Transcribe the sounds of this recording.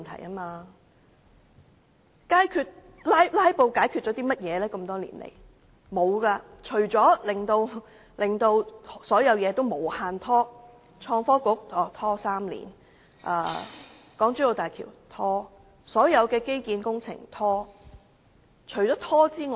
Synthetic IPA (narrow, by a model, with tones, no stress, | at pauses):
nt̪ʰɐ̰˨˩ja˥maː˧ | kaː˨˥jkʰyː˧t̚ | laː˥jlaː˥jpo˧wkaː˨˥jkʰyː˧t̚t͡ʃɔ˨˥t̪̬iː˥mɐ˥t̚jɛː˨˧lɛː˥kɐ˧mt̪ɔː˥lḭ˨˩nlḛ˨˩j | mo˨˧wkaː˧t͡ʃʰɵ˨˩ɥt͡sɔː˨˥lɪ˨ŋt̪o˧w | lɪ˨ŋt̪o˧wsɔː˨˥jɐ˨˧wjɛː˨˧t̪o˥wmo˨˩whaː˧nt̪ʰɔː˥ | t͡ʃʰɔː˧ŋfɔː˥kʊ˨˥k̚ɔː˨˩t̪ʰɔː˥saː˥mlḭː˨˩n | ʔa̰ː˧ | kɔː˨˥ŋt͡sy˥jo˨˧wt̪aː˨jkʰḭː˨˩wt̪ʰɔː˥ | sɔː˨˥jɐ˨˧wkɛː˧ke˥jkiː˨˧nkʊ˥ŋt͡sʰɪ̰˨˩ŋt̪ʰɔː˥ | t͡ʃʰɵ˨˩t͡sɔː˨˥t̪ʰɔː˥t͡siː˥ŋː˧